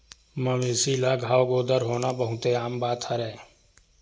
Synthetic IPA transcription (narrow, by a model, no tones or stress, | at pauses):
məmiːsiːlaːɡʱaːʋɡoːd̪əɾɦoːnaːbəɦʊ̃t̪eaːmbaːt̪ʰəɾɛː